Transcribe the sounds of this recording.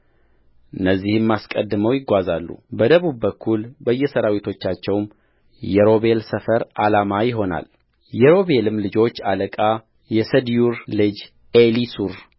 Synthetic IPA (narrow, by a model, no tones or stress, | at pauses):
ʔɨnːəzːihɨmːaskʼəd̪ːɨməwjɪɡʷazalːṵbəd̪əβubːəkʰːulbəjːɛsəɾawit̪ʰo̞t͡ʃːat͡ʃːɛwm | jɛɾo̞βe̞lsəfəɾalamajɪɦo̞na̰l | jɛɾo̞βe̞lɨmlɨd͡ʒo̞t͡ʃːaləkʼa | jɛsəd̪juɾlɨd͡ʒ | elisuɾ